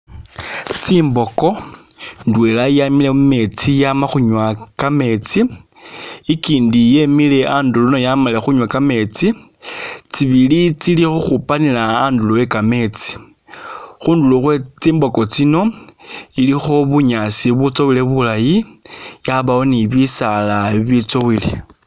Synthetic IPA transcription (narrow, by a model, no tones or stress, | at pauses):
t͡siːmbo̞ko̞ | ndwelajamileme̞t͡sijamaxuɲwakame̞t͡si | ikiːndije̞mile̞ʔaːnduluno̞jamalexuɲwakame̞t͡si | t͡siβilit͡silixuxupanilaːndulowekame̞t͡si̥ | xuːnduluxwet͡siːmbo̞ko̞t͡sino̞ | ilixo̞βuɲasiβut͡so̞wileβulajijaβawo̞niβisalaβit͡sowile